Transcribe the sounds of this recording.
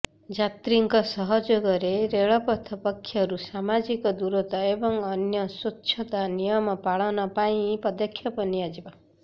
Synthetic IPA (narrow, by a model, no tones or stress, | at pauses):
d͡ʒat̪ɾiŋkɔsɔɦɔd͡ʒoɡɔɾeɾeɭɔpɔt̪ʰɔpɔkʰːjɔɾusamad͡ʒikɔd̪uɾot̪ɔebɔŋɔnjɔswotːʃʰɔt̪anijɔmɔpaɭɔnɔpaĩpɔd̪ɔkʰjɔpɔniad͡ʒiba